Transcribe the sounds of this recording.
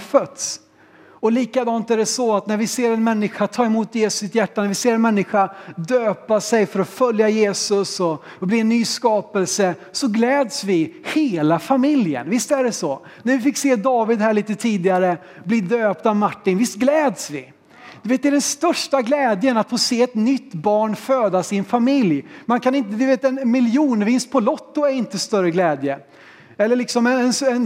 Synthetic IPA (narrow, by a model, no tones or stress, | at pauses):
fœt̪s | ɔliːkad̪ɑːnt̪æɖɛsɔat̪næɾvɪseːɾɛnmɛnːɪɧat̪ʰɑːɾɪmuːt̪jeːsɵ̥sːɪt̪jæʈːanæɾvɪseːɾɛnmɛnːɪɧad̪øːpasɛjfœɾɔfœljajeːsɵsɔ | bliːɛnːyːskɑːpɛlsəsɔɡlɛːd̪svɪheːlafamɪljə̰nvɪst̪æɖɛsɔ | næɾvɪfɪkseːd̪ɑːvɪd̪hæːɭiːt̪ət̪ʰiːd̪ɪaɾə | blid̪øːp̚t̪avmaʈːɪnvɪst̪̚ɡlɛːd̪svɪ | d̪̥ɵveːt̪̚d̪ɛæːɖɛnst̪œʂʈaɡlɛːd̪jənat̪foseːɛt̪nʏt̪ːbɑːɳføːd̪asɪnfamɪljmankʰanɪnt̪əd̪ɵveːt̪ɛnmɪljuːnəvɪnst̪̚pʰɔlɔt̪ːʊæɾɪnt̪əst̪œɾəɡlɛːd̪jə | ɛlːəɭɪksɔmɛɛnsɛn